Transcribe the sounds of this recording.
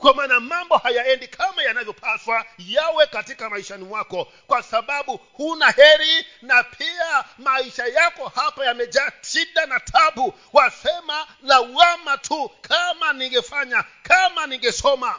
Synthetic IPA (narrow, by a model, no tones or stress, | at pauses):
kwamaːnamambɔhajaɛndikʰamajanavjɔpʰaswajawɛkatikamaiʃanimwakɔ | kwasaɓaɓuhunahɛɾinapʰiamaiʃajakɔhapajamɛʄaʃiɗanatʰaɓu | wasɛmanawamatʰukʰamaniŋɡɛfaɲakʰamaniŋɡɛsɔma